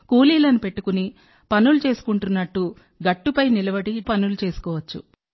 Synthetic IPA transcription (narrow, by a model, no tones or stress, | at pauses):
kuːliːlɐnupe̞ʈːu̥kuni | pɐnulut͡ʃe̞ːsu̥kuɳʈunːɐʈːu | ɡɐʈːupɐjnilɐbɐɽipɐnulut͡ʃe̞ːsu̥kɔːʋɐt͡ʃːṵ